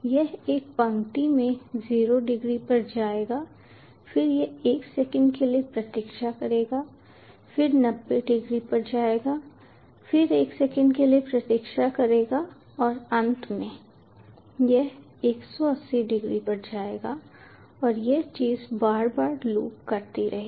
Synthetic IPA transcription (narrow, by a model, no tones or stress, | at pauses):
jɛɦeːk̚pɐ̃ŋʈimẽziːɾoɖɪɡɾipɐɾd͡ʒaːeːɡaː | fɪɾjɛeːksɛkə̃ɳɖkeliepɾɐt̪ɪkʃakɐɾeːɡaː | fɪɾnɐbːeɖɪɡɾipɐɾd͡ʒaːeːɡaː | fɪɾeːksɛkə̃ɳɖkelijepɾɐt̪ɪkʃakɐɾeːɡa | ɔːɾɐ̃nt̪ʰmẽ | jɛɦ | eːksɔɐsːiɖɪɡɾipɐɾd͡ʒaːeːɡa | ɔːɾjɛt͡ʃiːzbaːɾbaːɾlṵːkkɐɾt̪iɾʔɐ̰ɦe